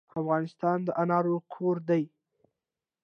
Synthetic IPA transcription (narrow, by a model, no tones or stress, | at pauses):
afɣɑnɪst̪ɑnd̪əʔanɑɾokʰoɾd̪aj